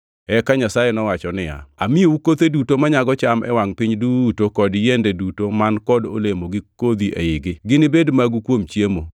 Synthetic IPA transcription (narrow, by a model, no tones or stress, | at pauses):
ɛkaɲasajenɔwat͡ʃɔnɪja̰amioukot̪edutomaɲaɡɔt͡ʃamʔɛ̰waŋpɪɲdutokɔdjendedutomankɔdo̰lemoɡɪkod̪iʔḛɪɡɪɡɪnɪbedmaɡukwomt͡ʃjemo